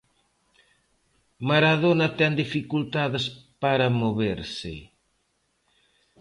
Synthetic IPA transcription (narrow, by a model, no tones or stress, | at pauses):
maɾaðonɐt̪ɛnd̪ifikult̪aðɪspaɾɐmoβeɾsɪ̰